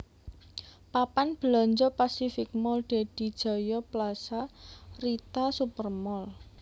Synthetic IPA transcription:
papanb̥əlɔɲd͡ʒɔpasifɪk̚mɔlɖ̥e̤d̥i̤d̥ʒ̥ɔ̤jɔplasarit̪asupərmɔl

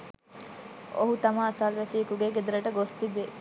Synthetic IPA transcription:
o̰ɦut̪ɐmaːsalʋæsiekuɡeɡed̪uɾəʈəɡost̪ibːe

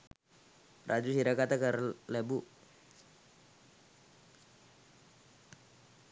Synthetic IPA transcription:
rʔad͡ʒusiɾakat̪akərlɛbu

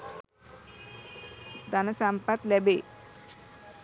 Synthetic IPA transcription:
d̪anasampat̪lɛbe

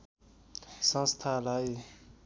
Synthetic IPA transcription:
sʌ̃nst̪ʰalaj

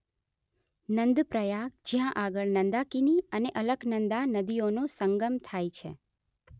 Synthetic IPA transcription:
nənd̪pɾəjaɡ̚d͡ʒjãʔaɡəɭnənd̪akiniəneʔələɡnənd̪anəd̪ionõsəŋɡəmt̪ʰajt͡ʃʰḛ

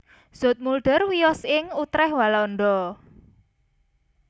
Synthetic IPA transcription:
z̥ɔ̤t̪̚mulɖ̥ə̤rwijɔsɪŋut̪ɾɛhwalɔnɖ̪ɔ

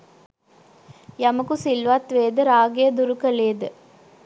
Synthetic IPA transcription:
jɐmɐkusilʋɐt̪ʋeːd̪əɾaːɡejəd̪uɾukəleːd̪ə

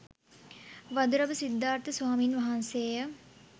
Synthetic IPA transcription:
ʋad̪uɾɐbəsid̪ːaːɾt̪əsʋaːmiːnʋaɦanseːjə

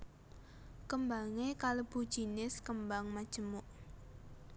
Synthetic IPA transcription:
kəmbaŋekaləb̥ṳd̥ʒ̥i̤nɪskəmbaŋmad̥ʒ̥ə̤mʊʔ

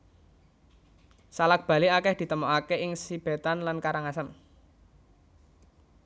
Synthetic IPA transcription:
salak̚b̥ä̤liakɛhd̪̥i̤t̪əmɔakeɪŋsib̥e̤t̪anlankaɾaŋasan

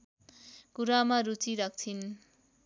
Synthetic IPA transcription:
kuɾamaɾut͡siɾak̚t͡sʰin

